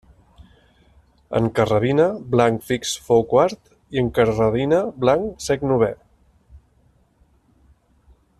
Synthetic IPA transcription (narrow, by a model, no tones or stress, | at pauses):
ə̰ŋkərəβinəblaŋkfiksfowkwaɾt̪ | iəŋkəɾrəβinəblaŋsɛknuβɛ